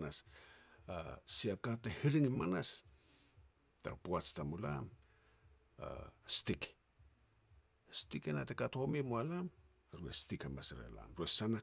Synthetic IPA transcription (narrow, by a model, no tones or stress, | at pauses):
nas | asiakatehiɾiŋimanas | ta̰puat͡ʃtamula̰m | a̰stik | stikenatekatomimualam | ɾuḛstikamasɾḛla̰mɾuesana